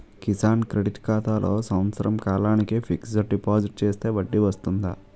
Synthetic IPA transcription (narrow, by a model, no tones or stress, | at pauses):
kisaːnkɾeɖiʈkaːt̪aːlʔo̞ːsɐmt̪sɐɾɐmkaːlaːnikipʰiksɐɖipaːd͡ʒiʈ̚t͡ʃeːst̪e̞ːʋɐɖːiʋɐst̪und̪a